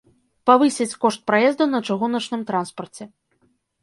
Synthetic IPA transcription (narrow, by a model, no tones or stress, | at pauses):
pavɨsʲɛt͡sʲkɔʂt̪̚pɾajɛzd̪unɐt͡ʂaɣunɐt͡ʂnɨmt̪ɾanspɐrt͡sʲɛ